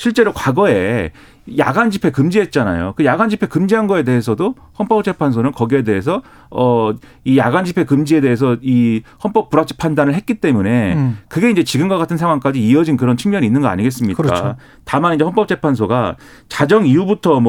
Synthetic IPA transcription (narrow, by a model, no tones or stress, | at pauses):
ɕʰiɭt͡ɕ͈e̞ɾokwaɡʌe̞ | ja̰ɡand͡ʑipʰe̞kɯmd͡ʑiɦe̞t̚t͡ɕ͈ana̰jo̰kɯjaɡand͡ʑipʰe̞kɯmd͡ʑiɦanɡʌe̞de̞ɦes̬ʰʌdo | hʌnp͈ʌp̚t͡ɕ͈ʰe̞pʰans̬ʰonɯnkʌɡie̞de̞ɦes̬ʰʌ | ʌ | ijaɡand͡ʑipʰe̞kɯmd͡ʑie̞de̞ɦes̬ʰʌihʌnp͈ʌk̚p͈uɾat͡ɕ͈ʰi̥pʰandanɯɭɦet̚k͈it͈e̞mune̞kɯɡe̞ind͡ʑe̞t͡ɕiɡɯmɡʌk͈atʰɯnsʰaŋwaŋk͈ad͡ʑiːʌd͡ʑinkɯɾʌnt͡ɕʰɯŋmjʌɲinːɯnɡʌa̰ɲiɡe̞s͈ɯmɲikk͈a̰ | tamanind͡ʑe̞ɦʌnp͈ʌp̚t͡ɕ͈ʰepʰans̬ʰoɡat͡ɕad͡ʑʌŋijubutʰʌm